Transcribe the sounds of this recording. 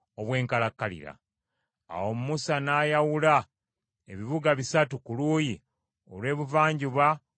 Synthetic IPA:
oβwe̞ːŋkalakːalḭɾa̰ | a̰wo̞mumusanaːjawula | e̞̰βiβuɡaβisatukuluːji | o̞̰lwe̞ːβuvaːɲɟuβa

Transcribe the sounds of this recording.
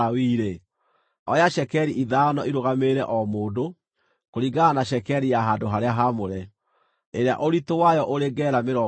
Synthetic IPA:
awiːɾe | ɔjaʃɛkɛɾiʔiðanɔiɾoɣameɾɛʔɔmoːndo | koɾiɡaanaʃɛkɛɾijaɦaːdoɦaɾeaɦamoɾɛ | eɾea̰ʔoɾitowajɔʔoɾeɡɛɾameɾɔ

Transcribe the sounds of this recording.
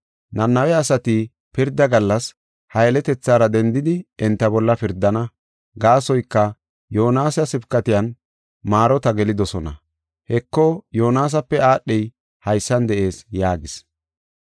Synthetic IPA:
nɐnːɐwɛɐsɐt̪ɪ | pɪɾd̪ːɐɡɐlːɐs | hɐjɛlɛt̪ɛt͡sːaːɾɐd̪ɛnd̪ɪd̪ɪɛnt̪ːɐbɔlːɐpɪɾd̪ːɐnɐ | ɡaːsɔjkːɐ | joːnaːsɐsɪbkːɐt̪ɪjɐn | maːɾɔt̪ɐɡɛlɪd̪ɔsɔnɐ̰ | hɛkːɔjoːnaːs̬ɐpːɛaːɗːɛj | hɐjsːɐnd̪ɛʔe̞ːsjaːɡɪs

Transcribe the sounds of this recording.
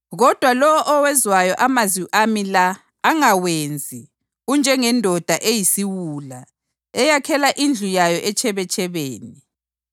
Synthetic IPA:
ɣɔd̥ʱwalɔwɔʔɔwɛzwajɔʔamaziʔamilaː | ŋawend͡zʱi | und͡ʒʱɛŋɛndʱɔd̥ʱaʔejisiwuːla | ɛjakʰɛlaʔind͡ɮʱujajɔʔɛt͡ʃʰɛβɛt͡ʃʼʰɛβeːni

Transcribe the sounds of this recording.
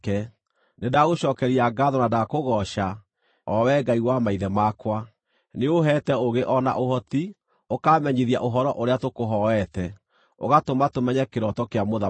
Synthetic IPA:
kɛ | nedaɣoɕɔkɛɾiaɡaðɔnadakoɣɔʃa | ɔwɛɡaiwamaiðɛmakwa | neoɦɛtɛoɣeʔɔna̰ʔoɦɔti | okamɛɲiðia̰ʔoɦɔɾɔʔoɾeatokoɦɔɛtɛ | o̰ɣatomatomɛɲɛkeɾɔtɔkeamoða

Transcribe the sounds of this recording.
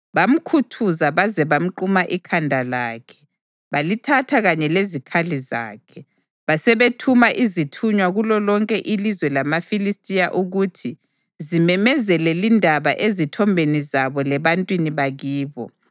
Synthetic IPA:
βam̩kʰutʰuzaβazɛβam̩ǃumaʔikʰandʱalaːkʰɛ̥ | βalitʰatʰaɣaɲɛlezikʰaliza̰ːkʰɛ | βasɛβetʰumaʔizitʰuɲwaɣulɔlɔŋkʼɛʔilizwɛlamafilistʼijaʔuɣutʰi | zimɛmɛzɛlɛlindʱaβaʔezitʰɔmbʱenizaβɔlɛβantʼwiniβaɣiːβɔ̰

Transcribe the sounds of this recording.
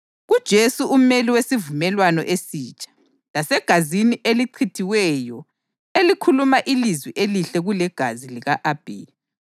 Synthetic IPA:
ɣud̥ʒ̥ʱesuʔumeliwesivumɛlwanɔ̰ʔesiːt͡ʃʼḁ | lasɛɡ̥ʱaziniʔeliǀʰitʰiwɛːjɔ | elikʰulumaʔilizwiʔeliɬɛɣulɛɡ̥ʱaziliɣaʔab̥ʱḛː

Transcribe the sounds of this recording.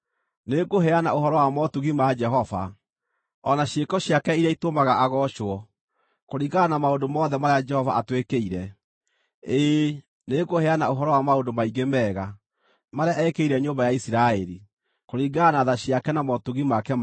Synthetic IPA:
neɡoɦɛanaohɔɾɔwamɔtuɣimad͡ʒɛɦɔva̰ | ɔnaɕekɔɕjakɛiɾjaitomaɣaʔaɣɔʃwɔ | koɾiɡanamaondomɔːðɛmaɾead͡ʒɛhɔva̰ʔatwekeiɾɛ | eː | neɡohɛanaoɦɔɾɔwamaondomaiɡemɛːɣa | maɾeaʔɛkeiɾɛɲoːmbajaisiɾaɛɾi | koɾiɡanaðaɕiakɛnamɔtuɣimakɛm

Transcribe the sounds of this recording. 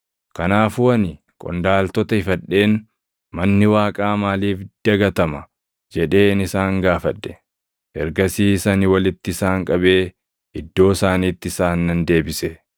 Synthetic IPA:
kɐnaːfʊɐnɪ | kʼɔ̰nd̪aːlt̪ɔt̪ɐɪfɐᶑːe̞ːn | mɐnːɪwaːkʼaːmaːliːfd̪̥ɐɡɐt̪ɐmɐ | d͡ʒɛᶑe̞ːnɪsaːŋɡaːfɐᶑːɛ̥ | ʔɛɾɡɐsiːsɐnɪwɐlɪt̪ːɪɪsaːŋkʼɐbe̞ː | ɪd̪ːo̞ːsaːniːt̪ːɪsaːnːɐnd̪e̞ːbɪsɛ

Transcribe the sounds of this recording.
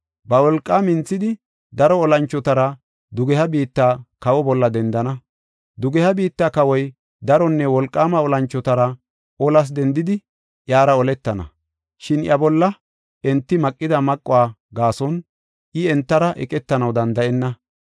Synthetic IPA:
bɐwɔlkʼːaːmɪnt͡sːɪd̪ɪ | d̪ɐɾɔːlɐnt͡ʃːɔt̪ɐɾɐ | d̪ʊɡɛhɐbiːt̪ːaːkɐwɔbɔlːɐd̪ɛnd̪ɐnɐ | d̪ʊɡɛhɐbiːt̪ːaːkɐwɔj | d̪ɐɾɔnːɛwɔlkʼːaːmɐɔlɐnt͡ʃːɔt̪ɐɾɐ | ɔlɐs̬d̪ɛnd̪ɪd̪ɪ | ʔjaːɾɐɔlɛt̪ːɐnɐ̰ | ʃɪnʔjʔɐbɔlːɐ | ɛnt̪ːɪmɐkʼːɪd̪ɐmɐkʼːʊwaː | ɡaːsɔn | ʔɪɛnt̪ːɐɾɐʔɛ̰kʼɛt̪ːɐnɐwd̪ɐnd̪ɐʔɛnːɐ

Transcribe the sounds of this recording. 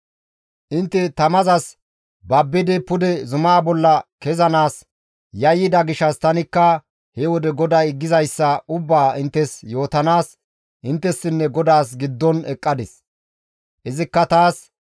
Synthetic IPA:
ʔɪnt̪ːɛt̪ɐmɐzɐs | bɐbːɪd̪ɪpʊd̪ɛzʊmaːbɔlːɐkɛzɐnaːs | jɐjːɪd̪ɐɡɪʃɐst̪ɐnɪkːɐ | hɛwɔd̪ɛɡɔd̪aɪɡːɪzɐjsːɐʔʊbːaːɪnt̪ːɛsjo̞ːt̪ɐnaːs | ʔɪnt̪ːɛsːɪnːɛɡɔd̪aːs̬ɡɪd̪ːɔnɛkʼːɐd̪ɛs | ʔɪzɪkːɐt̪aːs

